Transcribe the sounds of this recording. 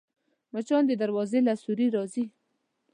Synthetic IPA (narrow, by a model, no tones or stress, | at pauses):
mat͡ʃɑnd̪əd̪aɾwɑzelasuɾiɾɑzi